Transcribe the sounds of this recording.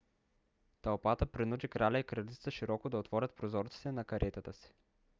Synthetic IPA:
t̪ɐlˠpat̪əpɾinud̪ikɾalʲaikɾɐlʲit̪t̪səʃiɾɔkod̪ɐot̪vɔɾʲət̪̚pɾozɔɾt̪si̥t̪ɛnɐkɐɾʔɛt̪ət̪əsi̥

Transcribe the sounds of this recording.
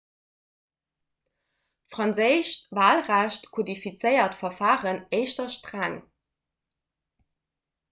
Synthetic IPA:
tfʁɑnzəɪʃvaːlʁæɕtkʰodifit͡səɪɐtfɐfaːʁəneɪʃtɐʃtʁaŋ

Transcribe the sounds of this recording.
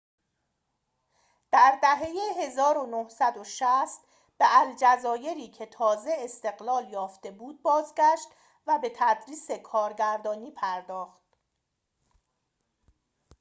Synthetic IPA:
d̪̥æɾd̪æɦejeɦe̞zɒːɾo̞nohsæd̪oʃæst̪ | b̥eʔæld͡ʒæzɒːje̞ɾiːcʰe̞t̪ʰɒːze̞ːst̪e̞ɣlɒːljɒːft̪e̞buːd̪̚bɒːzɟæʃt̪ | væbe̞t̪ʰæd̪ɾiːse̞kʰɒːɾɡæɾd̪ɒːniːpʰæɾd̪ɒːxt̪̚

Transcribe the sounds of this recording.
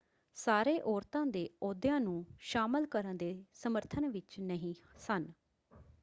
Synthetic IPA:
saːɾeːʔɔːɾt̪ãːd̪eːɔːd̪jãːnũːʃaːməlkəɾənd̪eːsəməɾt̪ʰənʋɪt͡ʃnəɦĩːsən

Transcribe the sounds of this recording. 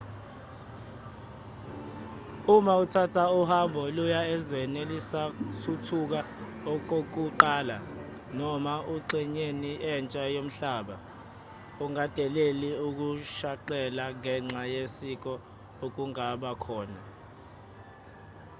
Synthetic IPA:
umautʰatʰauhambʱɔlujaɛzwɛnelisasʰutʰuk̬a | ɔk̬ʼok̬uǃaːla | nɔmauǀiɲeniɛnt͡ʃʼajom̩ɬaːɓa | uŋad̥ʱɛleliuk̬uʃaǃɛlaŋɛŋ͡ǁʱajesik̬ɔ | ok̬uŋaɓakʰɔːna

